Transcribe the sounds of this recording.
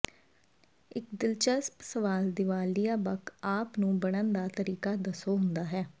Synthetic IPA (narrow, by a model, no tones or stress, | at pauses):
ɪkd̪ɪlt͡ʃəspsəʋaːld̪ɪʋaːlijaːbəkaːpnũːbəɽ̃ənd̪aːt̪əɾiːkaːd̪əsoːɦʊnd̪aːɦɛː